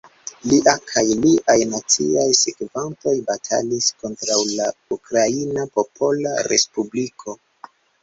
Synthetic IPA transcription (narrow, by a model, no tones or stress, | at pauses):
liʔakʰajliʔajnat͡sḭajsekvanto̞jbatʰa̰lisko̞ntɾawlaukɾainapo̞pʰo̞la̰ɾespublikʰo̞